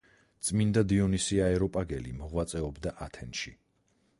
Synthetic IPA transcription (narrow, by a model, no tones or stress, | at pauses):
t̪sʼmind̪ad̪iɔnisiaɛɾɔpʼaɡɛlḭmɔʁwat̪sʼɛɔbd̪aʔat̪ʰɛnʃi